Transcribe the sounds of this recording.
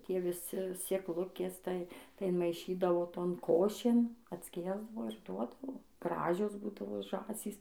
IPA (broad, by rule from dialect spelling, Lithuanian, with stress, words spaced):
ˈtʲiɛ ʋʲɪˈsʲɪ sʲeːkˈlˠʊkʲeːs ˈtɐɪ tɐɪ ɪnmɐɪˈʃʲiːdɐʋoː ˈtoːn ˈkoːʃʲeːn ɐtʲˈsʲkʲiɛzdɐʋoː ɪr ˈduɔdɐʋoː ˈɡrɑːʒʲoːs ˈbuːdɐʋoː ˈʒɑːsʲiːs